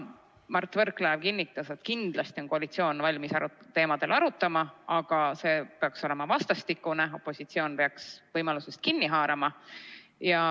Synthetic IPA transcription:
mɑrt̪ˑːvɤrkːˑlæːvkinːit̪ːˑɑse̞t̪kind̪̥lɑst̪io̞nkoɑlit̪sio̞ːnvɑlʲmisɑɾut̪ːe̞ːmɑd̪̥e̞lʔɑɾut̪ːˑɑmɑɑɡ̥ɑse̞ːpeɑkso̞le̞mɑvɑst̪ɑst̪ikːuneo̞pːˑo̞sit̪sio̞ːnpeɑksvɤjmɑlusest̪̚kinːiɦɑːɾɑmɑ | jɑ

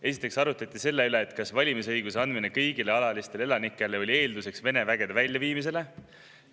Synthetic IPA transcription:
e̞s̬i̥t̪ːˑe̞ksɑɾut̪ːˑɑt̪ːˑise̞lːeyle̞ːt̪ːˑkɑsvɑlʲimisɤjɡ̥use̞ɑnd̪minekɤjɡ̥ile̞ɑlɑlist̪ele̞lɑnikːˑe̞leo̞lʲie̞ːld̪use̞ksve̞ne̞væɡ̥e̞d̪evælʲjɑviːmis̬e̞le̞

